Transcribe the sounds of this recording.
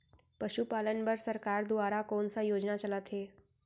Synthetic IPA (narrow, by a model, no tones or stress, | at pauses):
pəɕupalənbəɾsəɾkaɾd̪uʋaɾakoɳsajod͡ʑnat͡ɕəlat̪ɦe